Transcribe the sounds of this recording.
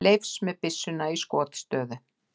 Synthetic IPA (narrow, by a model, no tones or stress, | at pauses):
lejfsmɛðpɪsːʏnaiskɔːt̪st̪œːðʏ